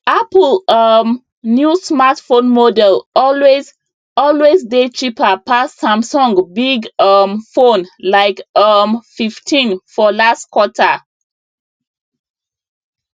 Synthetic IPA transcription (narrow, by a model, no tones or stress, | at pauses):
aplʌm | njusmatfõnmodɛlɔlwez | ɔlwezdetʰɹipapasːãmsɔ̃ŋɡbiɡʌmfõnlaɪkʌmfiftʰĩnfɔlastkwɔtʰa